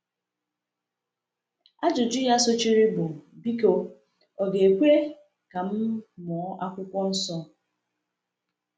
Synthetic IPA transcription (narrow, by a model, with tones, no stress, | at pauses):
a˦d͡ʒʊ˨d͡ʒʊ˦ja˦so˦t͡ʃi˦ɾi˦bʊ˨bi˦ko˦ | ɔ˨ɡe˨e˨kʷe˦ɾe˦ | ka˨m̩˦mɔ˨˦ʔa˦kʷʊ˦kʷɔ˦n̩˦sɔ˦